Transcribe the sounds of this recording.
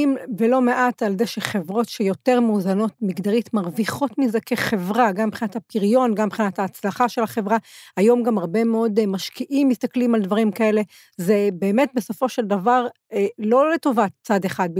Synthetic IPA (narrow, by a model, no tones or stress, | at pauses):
imvelo̞meʔataldeʃeχe̞vʁo̞tʃejo̞te̞ʁmuːzano̞t̚miɡd̪aʁitmaʁviχo̞tmizekʰeχe̞vʁaɡambχinathapiʁjo̞nɡambχinathaːt͡slaχaʃe̞lhaχe̞vʁaajo̞mɡamaʁbemeo̞dmaʃkiʔimːist̪aklimald̪vaʁimkae̞le̞ | zebe̞ːmet̚beso̞fo̞ʃeld̪avaʁ | lo̞leto̞vat͡sad̪e̞χad̚